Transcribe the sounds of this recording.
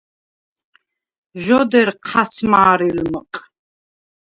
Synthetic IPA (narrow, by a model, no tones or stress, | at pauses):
ʒɔd̪ɛrqʰat͡sʰmaːɾilməqʼ